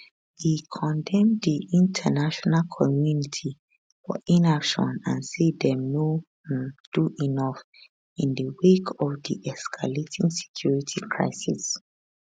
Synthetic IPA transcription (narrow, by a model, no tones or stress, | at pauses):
hikʰɔ̃ndɛ̃mdiĩntʰənaʃɔnalkʰɔmjunitʰi | fɔ̰ʔĩnapʃɔ̰̃nãnsedɛmno | d̥uʔinɔf | ĩndəwekʰɔvdḭʔɛskʰaletʰĩŋse̥kʰj̥uɹitʰikʰɹa̰ɪsis